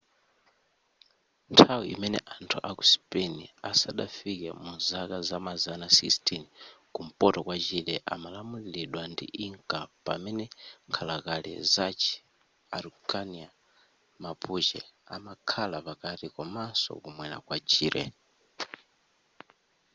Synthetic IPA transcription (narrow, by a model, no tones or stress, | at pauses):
ntʰawiḭmɛnɛ̰ʔantʰuʔakuspeniasaɗafikɛ̰munzakazamazanasistʰinikum̩pɔtɔkwat͡ʃilɛʔa̰malamuliliɗwandḭʔiŋkapamɛnɛŋkʰalakalɛ̰zat͡ʃʰi̥ | aɾuɡania | maput͡ʃɛ̰amakʰalapakatikɔmansɔ̰kumwɛna̰kwad͡ʒiːɾʔɛ̰